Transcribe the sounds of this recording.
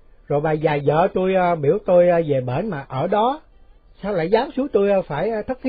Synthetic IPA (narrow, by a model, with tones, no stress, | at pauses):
zo˨˩jɓaː˨˩zaː˨˩zə̰ː˧˨t̪u˧jəː˧ɓi˧˩əwt̪o˧jːve˨˩ɓe˧˩nmaː˨˩ʔəː˧˩ɗɔ˨˦ | saː˧wla̰ː˧˩jzaː˨˦msɨ˨˦t̪o˧jəː˧faː˧˩jt̪ʰə˦˥t̚t̪ʰi˦